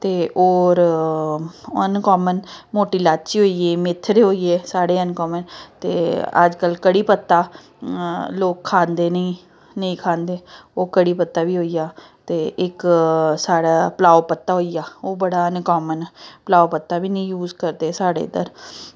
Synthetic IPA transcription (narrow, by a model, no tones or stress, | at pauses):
t̪eːʔoːɾ | ənkɔːmənmoːʈiːlaːt͡ʃiːɦoːieːmɪt̪ʰːɾɦoːiːeːsaːɽeːənkɔːmənt̪ḛːə̰d͡ʒkəlkəɽiːpət̪ːaː | loːkʰːãːnd̪eːnĩ | nəĩːkʰãːnd̪eːoːkəɽiːpət̪ːaːʋiːɦoːiːaː | t̪eːʔɪksaːɽaːpəlaːopət̪ːaːɦoːijaːoːbəɽaːənkɔːmənplaːopət̪ːaːʋiːnĩːjuːzkəɾd̪eːsaːɽḛːd̪ə̰ɾ